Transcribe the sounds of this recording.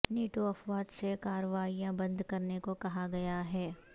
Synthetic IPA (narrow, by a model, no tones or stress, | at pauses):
niːʈoɐfʋaːd̪sekaːɾəʋaːijãbɐ̃nd̪kɐɾnekokɐɦaɡɐjaɦɛː